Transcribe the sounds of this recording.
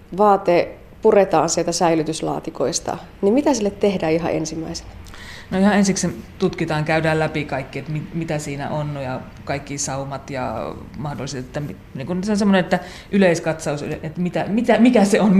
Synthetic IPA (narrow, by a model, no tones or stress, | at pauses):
ʋɑːt̪e | puret̪ɑːnsielt̪æsæilyt̪yslɑ̰ːt̪iko̰ist̪ɑ̰ | nimmit̪æsilːet̪t̪ehdæːiɦɑ̰ʔḛnsimːæ̰ise̥n | noihɑensiksent̪ut̪kit̪ɑːŋkæydæːllæpikɑikːiet̪mimit̪æsiːnæ̰ʔonnojɑ | kɑikːisɑumɑt̪jɑ̰mɑhdoliset̪et̪ːæmi | niːŋkunseonsemːonenet̪ːæ | ʔyleiskɑt̪sɑusy̰lʔet̪mit̪æmit̪æmikæseon